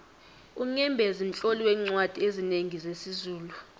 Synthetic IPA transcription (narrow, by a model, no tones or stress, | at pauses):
uŋɛmbʱɛzin̩t͡ɬʼoliwɛŋ͡ǀwad̥ʱiezineŋizesizuːlu